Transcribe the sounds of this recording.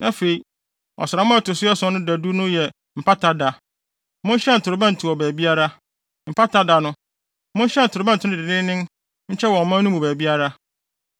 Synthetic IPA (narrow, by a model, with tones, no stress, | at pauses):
nã˦fe˨i˨ | ɔ̰˨sɾa˨mʊ̃˦a˦tʊ˨sɪ˦ɛ˦sɔ̃˦nʊ̃˦da˨du˦nʊ̃˦jɛ˨ | m̩˨pʰa˦tʰa˦da˨ | mʊ̃˦n˦ɕɛ̃˦n̩˨tʰʊ˨ɾʊ˨bã˦n̩˨tʰʊ˨ɔ˨bæː˨bi˦a˦ɾa˦ | m̩˨pʰa˦tʰa˦da˨nʊ̃˦ | mʊ̃˦n˦ɕɛ˦n̩˨tʰʊ˨ɾʊ˨bã˦n̩˨tʰɪ˨˦nʊ̃˦˨dɪ˨nɪ̃˦nɪ̃˦n | ɲ̩˦t͡ɕʰɛ˦wɔ̃˨mã˦nũ˦mũ˨bæː˨bi˦a˦ɾa˦